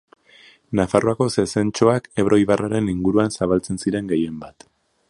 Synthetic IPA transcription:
nafaroako̞se̞se̞nt͡ʃo̞ake̞βɾʔo̞iβaraɾe̞niŋɡuɾuansaβalt͡se̞nsiɾe̞ŋɡe̞je̞mbat̪

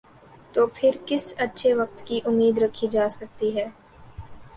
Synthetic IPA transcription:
t̪oːpʰɪɾkɪsɐtːʃʰeʋɐk̚t̪kiʔʊmːiːd̪ɾɐkʰːid͡ʒaːsɐk̚t̪iɦɛː

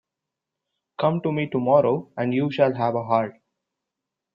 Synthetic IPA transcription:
kʌ̃mʈumiːʈumɔːɾoːʔæ̃ɳɖjuːʃælɦæʋəɦaːɾʈ

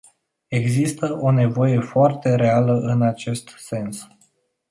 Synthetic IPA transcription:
e̞ɡzist̪əʔo̞ne̞vo̞je̞foart̪e̞ɾe̞aləʔɨnat͡ʃe̞st̪se̞ns

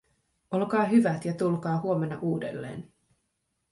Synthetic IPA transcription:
o̞lkɑːɦyʋæt̪jɑt̪ulkɑːɦuo̞me̞nːɑʔuːde̞̰lːḛːn

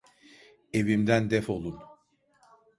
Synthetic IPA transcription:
e̞vimd̪ænd̪ɛfo̞lˠun

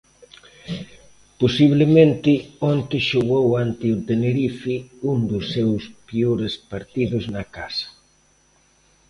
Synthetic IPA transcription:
posiβ̞lɪmẽnt̪ɪont̪ɪʃoɣowant̪ɪʊt̪eneɾifiund̪ʊsːewspioɾespaɾt̪iðʊznɐkasɐ̥

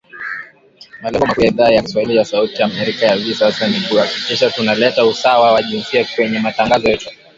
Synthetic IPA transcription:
malɛŋɡɔmakuaiðaːjaki̥swahilijasautijamɛɾikajavisasaniɓuakikɛʃatunalɛtausawawaʄinsiakwɛɲɛmataŋɡazɔjɛtu

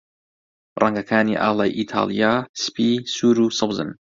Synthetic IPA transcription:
ɾˤʔɑŋɡakʰaːniʔa̰ːlˤajʔit̪ʰa̰ːlijaspisuːɾusɑbzə̰n

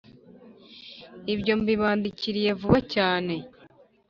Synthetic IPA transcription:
iβɟo̞mbiβaːndiciɾije̞vuβacaːne̞

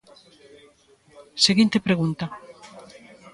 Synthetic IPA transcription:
seɣint̪epɾeɣunt̪a

